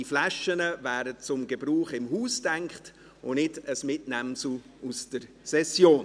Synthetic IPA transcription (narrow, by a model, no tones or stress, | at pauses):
iflaʃənəvæːdət͡sʊmɡəbɾuːχɪmɦuːstæŋkχt | ʊnɪdəsmɪtnæmsl̩ | usd̥əɾ | sɛsjoːn